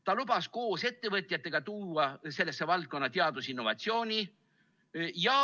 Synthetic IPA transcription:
t̪ɑlubɑsko̞ːse̞t̪ːe̞vɤt̪ʲˑjɑt̪ːˑe̞ɡ̥ɑt̪uːɑse̞lːe̞sːe̞vɑlt̪̚ko̞nːɑt̪eɑd̪̥usinːo̞vɑt̪sio̞ːnʲi | jɑ

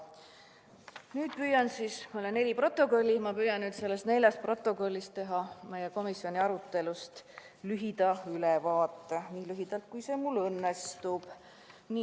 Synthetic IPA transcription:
nyːd̪̥̚pyjɑnsiːsmolenːe̞lʲipro̞t̪ːˑo̞ko̞lʲːimɑpyːjɑnnyːt̪se̞lːe̞st̪ne̞lʲjɑst̪pro̞t̪ːˑo̞ko̞lʲːist̪t̪e̞ɦɑme̞jeko̞misjo̞nʲiɑɾut̪ˑːe̞lust̪ | lyɦid̪̥ɑylɛvɑːt̪ːeniːlyɦid̪̥ɑlt̪̚kujsemulːɤnːest̪ub̥ | ni

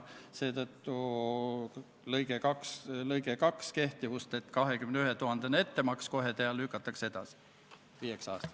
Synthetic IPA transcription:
se̞ːt̪ɤt̪ːu | lɤjɡ̥ekɑkslɤjɡekɑkske̞ht̪ivust̪e̞t̪kɑɦe̞kymneyhɦet̪uɦɑnd̪̥ene̞t̪ːe̞mɑksko̞ɦe̞t̪eɑlːykːˑɑt̪ːˑɑkse̞d̪̥ɑ̰si̥ | viːeksɑ̰ːst̪ɑ̥

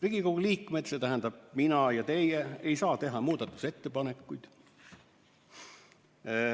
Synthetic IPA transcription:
riɡ̥ikoɡ̥uliːkˑmet̪set̪æɦænd̪̥ɑb̥̚minɑjɑt̪e̞jeejsɑːt̪e̞ɦɑmuːd̪̥ɑt̪ːˑu̥se̞t̪ːe̞pɑnekːujd̪̥

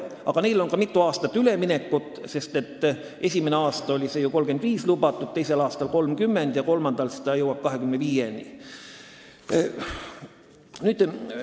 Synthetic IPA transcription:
ɑ̰ɡ̥ɑnejlo̞nkɑmit̪ˑːuɑːst̪ɑt̪ːˑyle̞mine̞kːˑut̪ːˑse̞st̪e̞t̪ːˑ | ʔe̞sʲimeneɑːst̪ɑo̞lʲise̞juko̞lɡ̥e̞nd̪̥viːslubɑt̪ːˑud̪̥̚t̪e̞jse̞lɑːst̪ɑlko̞lmkymːe̞nd̪̥jɑko̞lmɑnd̪̥ɑlsi̥d̪̥ɑjɤwɑb̥̚kɑɦe̞kymneviːjenʲi | nyːd̪̥

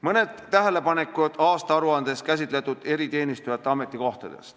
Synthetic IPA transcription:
mɤne̞d̪̥ːæɦæle̞pɑne̞kːˑud̪̥ɑːst̪ɑɑɾuɑnd̪̥e̞skæs̬ʲit̪le̞t̪ːˑud̪̥e̞ɾit̪e̞ːnist̪ujɑt̪ːˑeɑmet̪ːˑiko̞ht̪ɑd̪e̞̰st̪

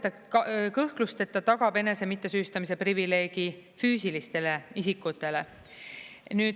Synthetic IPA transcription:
t̪ɑ | kɤhklust̪e̞t̪ːɑt̪ɑɡ̥ɑbe̞ne̞se̞mit̪ːˑe̞syːst̪ɑmise̞privile̞ːɡ̥i | fyːsilist̪e̞leisikːˑut̪ːˑe̞le̞ | nyːd̪

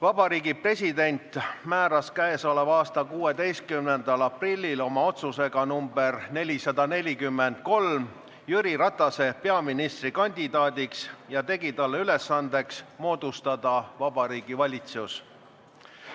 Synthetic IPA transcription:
vɑb̥ɑɾiːɡipre̞sʲid̪e̞nʲt̪ˑmæːɾɑskæeso̞levɑːst̪ɑkuːe̞d̪e̞jst̪̚kymnend̪̥ɑlɑprilʲːilo̞mɑo̞t̪suse̞ɡ̥ɑnumbe̞rne̞lʲisɑd̪ɑne̞lʲikymːe̞nd̪̥̚ko̞l | jyɾiɾɑt̪ːˑɑse̞pe̞ɑminist̪rikɑnʲd̪̥ʲid̪̥ɑːd̪iksjɑt̪e̞ɡit̪ɑlːeyle̞sːɑnd̪̥e̞ksmo̞ːd̪̥ust̪ɑd̪̥ɑvɑb̥ɑɾiːɡ̥ivɑlʲit̪sus

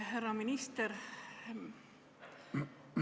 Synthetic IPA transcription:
ɦærːɑminist̪ɛɾ

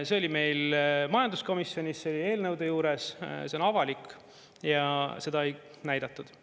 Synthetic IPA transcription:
se̞o̞lime̞jlmɑjɑnd̪usko̞misːjo̞nʲisːeolʲie̞ːlnɤwd̪̥e̞juːɾe̞sse̞o̞nɑvɑlikˑ | jɑse̞d̪̥ɑej | næjd̪̥ɑt̪ːˑud̪̥

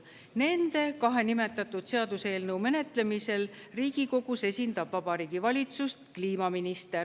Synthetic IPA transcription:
ne̞nd̪̥e̞kɑɦe̞nime̞t̪ːˑɑt̪ːˑud̪̥se̞ɑd̪̥use̞ːlnəwme̞ne̞t̪le̞mise̞l | riːɡ̥iko̞ɡ̥use̞sʲind̪̥ɑb̥vɑb̥ɑɾiːɡ̥ivɑlʲit̪sust̪kliːmɑminist̪er

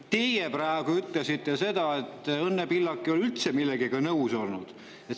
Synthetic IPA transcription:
t̪e̞jeprɑeɡ̥uyt̪lesit̪ːe̞se̞d̪̥ɑe̞t̪ːˑɤnːepilːɑkːˑio̞lylt̪semilːeɡiɡ̥ɑnɤuso̞lnud̪̥ | et̪

